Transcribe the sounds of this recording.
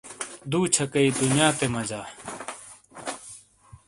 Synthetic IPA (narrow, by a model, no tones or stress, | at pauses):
d̪uːt͡ɕʰɐkɐiːd̪unjaːt̪emɐd͡ʑaː